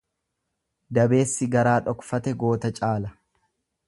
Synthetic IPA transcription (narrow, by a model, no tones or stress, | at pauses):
d̪ɐbe̞ːsːɪɡɐɾaːᶑɔkfɐt̪ɛɡo̞ːt̪ɐt͡ʃʼaːlɐ